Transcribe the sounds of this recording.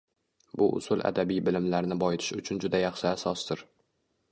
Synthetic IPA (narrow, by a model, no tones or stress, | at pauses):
bʊʔʊ̰sʊlˠʔa̰d̪abijbɪlɪmlaɾnɪbɒjɪt̪ʰɪ̥ʃʊt͡ʃʰʊnd͡ʒʊd̪ajɑχʃɪasɒsd̪ɪɾ